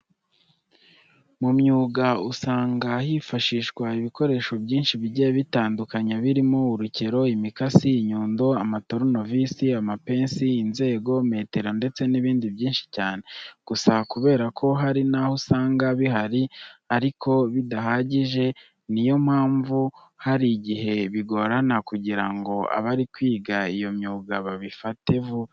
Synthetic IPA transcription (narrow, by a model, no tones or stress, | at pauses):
mumɲuːɡausaːŋɡahifaʃiːʃɡwaiβiko̞ɾe̞ːʃo̞bɟiːnʃiβiɟejβitaːndukaɲaβiɾimouɾuce̞ɾo̞imikasiːɲuːndo̞amatoɾono̞visiamape̞ːnsiːnze̞ːɡo̞me̞ːte̞ɾo̞nde̞t͡se̞niβiːndibɟiːnʃi̥caːne̞ɡ̥usakuβe̞ːɾakʰo̞ɦaɾinahosaːŋɡaβiɦaɾiaɾikʰo̞βidaɦaɟiʒe̞ | nijo̞m̥haːɱvu | haɾiɟiɦe̞βiɡo̞ɾanakuɟiɾaŋɡo̞a̰βaɾikwiːɡaijo̞mɲuːɡaβaβifate̞vu